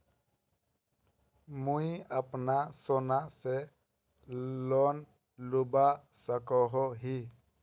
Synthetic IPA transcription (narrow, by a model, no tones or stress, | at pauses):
mujapnasɔnase | lɔn | lubasəkɔɦɔɦi